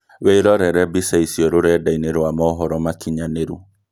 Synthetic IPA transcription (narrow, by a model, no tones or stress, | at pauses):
weːɾɔɾɛɾɛbisaisiɔɾoɾɛdaineɾwamɔɔɦɔɾɔmakʰiɲaneɾu